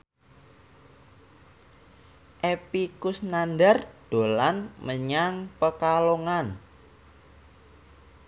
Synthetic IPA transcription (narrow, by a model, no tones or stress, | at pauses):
ʔepikʊsnanɖarɖ̥o̤lanməɲaŋpəkaloŋan